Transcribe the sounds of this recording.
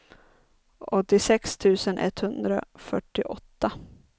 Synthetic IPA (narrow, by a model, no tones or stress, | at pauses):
ɔt̪ːɪsɛkst̪ʰʉ̟ːsənʔɛ̰t̪hɵnd̪ɾa̰fœʈːɪʔɔt̪ːa